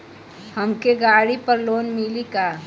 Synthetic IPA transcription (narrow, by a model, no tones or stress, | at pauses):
həmkeɡaːɽipəɾloːnmilikaː